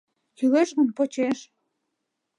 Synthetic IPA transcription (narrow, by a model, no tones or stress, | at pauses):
jyɣeʃɣə̆npot͡ɕeʃ